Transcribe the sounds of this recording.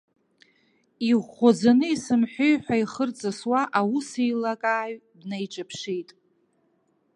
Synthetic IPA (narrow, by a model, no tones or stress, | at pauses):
iʁʷod͡zanɨisɨmħʷᶣʊjħʷᶣaiχərt͡sʼɨswaʔawusejlakʼaːɥdnejʈ͡ʂʼapʰʂijtʼ